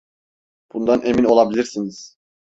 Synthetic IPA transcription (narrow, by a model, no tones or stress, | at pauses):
b̥und̪anʔe̞mino̞lˠabilʲiɾsiniz̥